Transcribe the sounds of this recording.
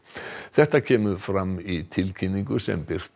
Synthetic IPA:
θɛht̪acʰɛːmʏfɾamːit̪ʰɪlcʰinːiŋkʏsɛ̰mpɪr̥t̪

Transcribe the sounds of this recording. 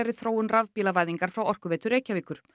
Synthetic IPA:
ɛɾɪθɾoːwʏnravpiːlavaːjðiŋkaɾ̥fɾawɔr̥kʏvɛːt̪ʏɾeːjcaviːkʏɾ̥

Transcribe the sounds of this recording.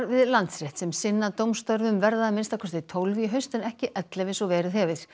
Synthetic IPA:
ɾvɪðlant̪sɾɛht̪sɛmsɪnːat̪owmst̪œɾvʏmvɛɾðamɪnst̪awkʰɛɾst̪ɪt̪ʰowlviɦœɥst̪ɪnɛhcɪʔɛt̪lɛvɪsɔvɛːɾɪhɛvɪɾ̥

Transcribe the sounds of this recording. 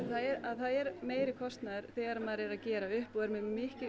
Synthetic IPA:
θaðɛɾaðθaðɛɾmeːjɾɪkʰɔst̪naðʏɾ̥θɛːɣaɾamaðɾɛɾaðcɛːɾaʏhpɔɣɛɾmɛðmɪhcɪ

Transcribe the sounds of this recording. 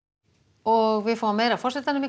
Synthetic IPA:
ɔɣvɪðfawvamejɾafɔrsɪt̪anami

